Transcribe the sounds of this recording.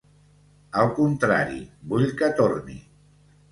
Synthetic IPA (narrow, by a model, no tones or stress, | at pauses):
əlˠkunt̪ɾa̰ɾḭbuʎkət̪ornḭ